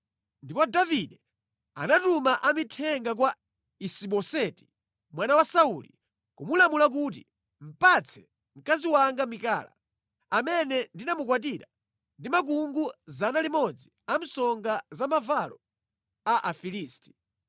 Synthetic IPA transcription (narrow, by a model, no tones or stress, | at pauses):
ndipɔdaviɗɛ | a̰natumaʔamitʰɛŋɡak̬wa | isiɓɔsɛti̥ | mwanawasaulḭ | kumulamulak̬uːtḭ | m̩pat͡sʰɛ̥ | m̩kaziwaŋɡamika̰ːla̰ | amɛnɛndinamuk̬wat̬iɾa̰ | ndimak̬uŋɡuzanalimɔd͡zi | am̩sɔŋɡazamavalɔ | aʔafiliːsti̥